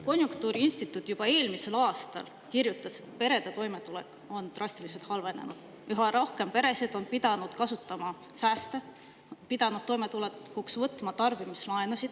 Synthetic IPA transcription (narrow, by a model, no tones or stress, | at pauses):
ko̞nʲjuŋkt̪uːɾiinsʲt̪it̪ːˑut̪ːˑjub̥ɑe̞ːlmise̞lɑːst̪ɑ̰l | kirjut̪ːˑɑspe̞ɾe̞d̪̥e̞t̪o̞jme̞t̪ule̞̰kːˑ | o̞nt̪rɑst̪ilise̞lt̪hɑlve̞ne̞̰nud̪̥ | yɦɑɾohke̞mpe̞ɾe̞sed̪̥o̞npid̪̥ɑnud̪̥kɑsut̪ːˑɑmɑ | sæːst̪e̞ | pid̪̥ɑnud̪̥̚t̪ːojmet̪uleuksvɤt̪ːˑmɑt̪ɑrvimislɑenusid̪̥